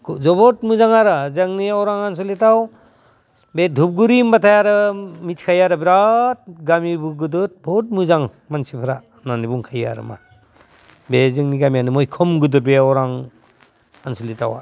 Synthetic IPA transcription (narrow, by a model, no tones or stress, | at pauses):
kʰzɔbɔtmuzaŋaɾɯzaŋniɔwɾaŋansɔlitaw | bedʱup̚ɡuɾimbatʰajaɾɯmitʰkʰajaɾɯbiɾat̚ɡamibuɡɯdɯt̚bɔt̚muzaŋ | mansipʰaɾa | nanibuŋkʰaja̰ɾɯ̰ma̰ | bezɯŋniɡamijanɯmɔjkʰɔmɡɯdɯɾ̚beɔwɾaŋ | ansɔlita̰wa̰